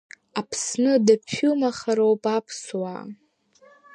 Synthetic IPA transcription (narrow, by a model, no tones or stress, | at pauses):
apʰsnɨdapʰumaχaɾowpʼapʰswa̰